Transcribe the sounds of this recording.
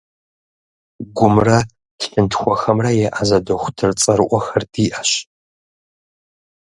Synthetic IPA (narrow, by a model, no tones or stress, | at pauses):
ɡʷʊmrɐ | tɬɨntʰxʷɔxɐmrɐjɛʔazɐdoxʷʊtʰɨrt͡sʼɐɾʔʷɔxɐrdiːʔɐɕ